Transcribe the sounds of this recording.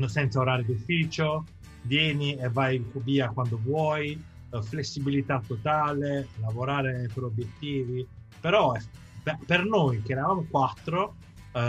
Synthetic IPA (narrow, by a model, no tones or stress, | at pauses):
sɛnt̪saoɾaːɾed̪ufiːt͡ʃo | d̪jɛːnievːajfobiːakwand̪ovwɔj | flesːibilit̪at̪ːot̪aːlelavoɾaːɾepeɾobjet̪ːiːvi | peɾɔɛ | ppernojk̟eɛːɾavamokwat̪ːɾo